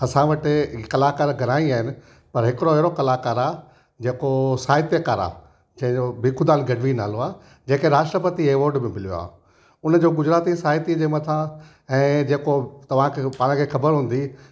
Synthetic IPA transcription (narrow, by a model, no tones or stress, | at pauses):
ɐsãʋɐʈɪkɐlaːkaːɾɡʱɐɾaːiaːɦɪnɪ̆ | pɐɾɦɪkɪɽoɛɦɪɾokɐlaːkaːɾaː | d͡ʑeːkosaːɦɪt̪jəkaːɾa̰ː | d͡ʑɐ̃ɦɪ̃d͡ʑobɪkʰʊd̪aːnɡɐɖʋina̰ːloaː | d͡ʑẽːkeɾaːʃʈɾəpɐt̪ieːʋoːɾɖbɪ̃mɪlijo̰a̰ː | ʊnd͡ʑoːɡʊd͡ʑɾaːt̪isaːɦɪt̪id͡ʑeːmɐt̪ʰã | ɛ̃ːd͡ʑeːkot̪ɐʋ̤ãkʰepaːɽ̃kʰeːxɐbəɾɦũːn̆d̪i